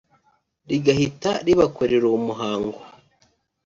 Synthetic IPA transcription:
ɾiɡahitaɾiβakoɾeɾoumuɦaːŋɡwa

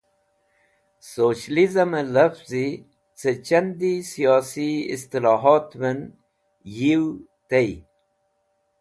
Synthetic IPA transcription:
soːɕlizɐmelɐfzi | t͡set͡ɕɐnd̪isijɑːsiḭst̪ilɑːɦɑːt̪men | jiw | t̪ej

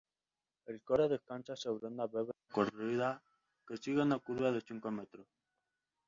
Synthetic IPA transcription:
elkoɾeðeskant͡ʃaseβɾend̪aβeβekoriða | kesiɣenakuɾβaðet͡ʃiŋkomet̪ɾo

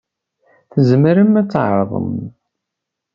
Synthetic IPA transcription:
θəzmɾəmːæt͡sːʕɾˤəðˤə̰m

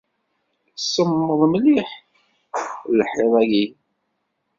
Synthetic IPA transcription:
səmːəðˤmliħ | lħeðˤæji

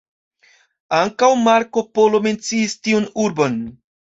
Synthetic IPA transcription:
aŋkawmaɾko̞po̞lo̞me̞nt͡siːstiunuɾbo̞n

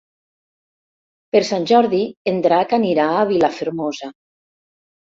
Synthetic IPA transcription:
peɾsanʲʒɔɾðiend̪ɾakaniɾaːβilafeɾmoza

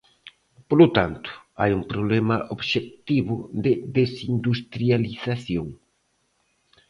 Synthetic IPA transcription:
polot̪ant̪ʊ̥a̰jumpɾoβlɛmɐʔoβʃek̚t̪iβʊðɪðesind̪ust̪ɾjaliθaθjoŋ

